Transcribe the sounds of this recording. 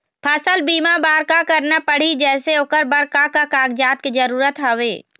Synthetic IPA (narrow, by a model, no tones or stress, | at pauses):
pʰəsəlbiːmabaːɾkakəɾnapəɽ̤id͡ʒɛːseʊkəɾbəɾkakakaːɡd͡ʒaːt̪̚kid͡ʒəɾuːɾət̪ɦɐʋeː